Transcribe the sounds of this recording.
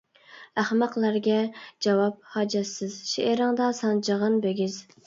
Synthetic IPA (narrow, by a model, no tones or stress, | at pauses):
æχmɑqlˠæɾɡʲɛd͡ʒɑwɑp̚hɑd͡ʒɛt̪sɪzʃeʔeɾɨŋd̪ɑsɑnd͡ʒəʁɨnbeɡʲɪz